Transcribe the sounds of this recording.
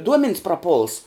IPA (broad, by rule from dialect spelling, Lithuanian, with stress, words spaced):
ˈduɔmʲɛnʲs prɐˈpʊlˠs